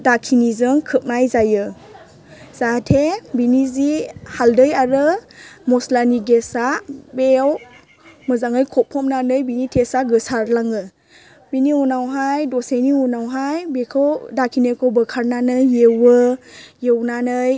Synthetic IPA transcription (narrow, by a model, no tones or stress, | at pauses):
dakʰinizɯŋkʰɯp̚najzajɯ | z̥atʰebinizihaldɯjaɾɯmɔslaniɡesabew | mɯzaŋɯjkʰɔpʰːɔm̚nanɯjbinitʰesaɡɯsaɾlaŋɯ | biniunawɦajdɔsejniunawɦajbekʰɯwdakʰinejkʰɔwbɯkʰaɾnanɯjewɯjewnanɯj